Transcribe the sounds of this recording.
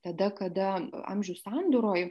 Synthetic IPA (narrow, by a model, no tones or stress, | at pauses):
t̪ɐd̪ɐkɐd̪ɐɑ̰mʲʒʲʊssɑːnd̪ʊɾoːj